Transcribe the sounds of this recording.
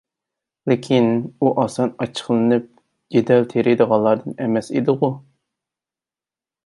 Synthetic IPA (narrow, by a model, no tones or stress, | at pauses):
lɪkʲʰinuʔɑsɑnɑt͡ʃʰə̥χlˠɨnɨp̚ | jed̪ɛlt̪ʰeɾed̪əʁɑnlˠːɑɾd̪ɨnɛmɛsḭd̪ɨʁʊ